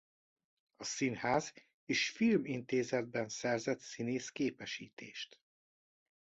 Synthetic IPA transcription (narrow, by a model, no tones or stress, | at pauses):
ɒsinhaːz | eːʃfilmint̪eːzɛd̪̚bɛnsɛrzɛt̪sineːskeːpɛʃiːt̪eːʃt̪